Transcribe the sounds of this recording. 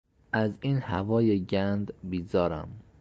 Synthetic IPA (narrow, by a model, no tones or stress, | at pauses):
ʔæziːnhævɒːjeɟænd̪bizɒːɾæ̰m